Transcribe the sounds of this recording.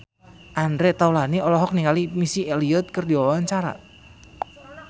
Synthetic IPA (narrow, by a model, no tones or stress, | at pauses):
ʔandɾɛʔt̪aulaniɔlɔɦɔk̚niŋalimisieliʊt̪̚kərdiwawaɲt͡ʃaɾa̰